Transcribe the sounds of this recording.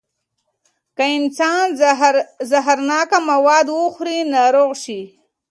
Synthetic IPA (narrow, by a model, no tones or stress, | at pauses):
kaɪnsɑːn | zaɦaɾnɑːkamawɑd̪wuxɾinaɾoɣʃi